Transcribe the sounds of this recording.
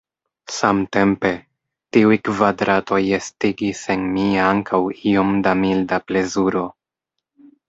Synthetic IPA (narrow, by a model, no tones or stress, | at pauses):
samte̞mpe̞ | tiujkvadɾato̞jestiɡise̞nmiaŋkʰawio̞mdamildaple̞zuɾo̞